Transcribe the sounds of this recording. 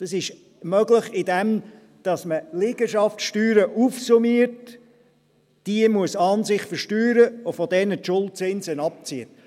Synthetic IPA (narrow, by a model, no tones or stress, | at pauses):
d̥ɑsɪʃ | mœɡləχɪdɛm | d̥ɑsməlɪɡ̥əʃɑftʃtyːɾəʔufsumiəɾt | d̥iəmuəsɑːnsɪχfəɾʃtyːɾəʊfɔdɛnətʃʊlˠt̚t͡sɪnzənɑp̚t͡siət